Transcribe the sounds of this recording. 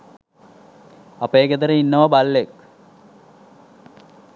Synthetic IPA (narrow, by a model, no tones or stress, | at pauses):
ɐpeːɡed̪ɐɾəinːɐʋɐbɐlːek